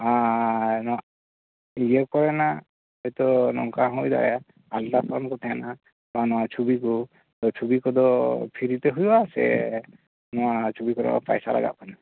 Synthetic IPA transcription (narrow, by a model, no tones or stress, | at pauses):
anɔa | id͡ʒekɔɾɛna | ɔjt̪ɔnɔ̰ŋkaɦɔjd̪a̰a | altasʰɾɔnkɔt̪ʰɛɛna | t̪ɔanɔwat͡ʃʰubiku | t̪ɔt͡ʃʰubikɔd̪ɔpʰiɾit̪ɛɦujasɛ̰ | nɔat͡ʃʰubikɔɾɔ̰a̰pa̰jsa̰la̰ɡa̰ʔ̚kʰana